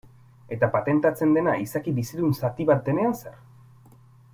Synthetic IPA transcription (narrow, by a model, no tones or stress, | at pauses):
e̞t̪apat̪e̞nt̪at͡se̞nd̪e̞naisakiβisiðunsat̪iβat̪̚d̪e̞ne̞anse̞ɾ